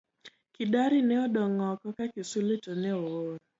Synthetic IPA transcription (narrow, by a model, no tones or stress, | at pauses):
kɪdaɾɪnɛɔdɔŋɔkɔkakɪsulɪtonɛowoɾ